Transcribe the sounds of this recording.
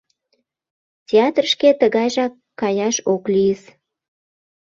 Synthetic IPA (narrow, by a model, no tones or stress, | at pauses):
tʲeɑt̪rʃket̪əɣɑjʒɑkːɑjɑʃoklijəs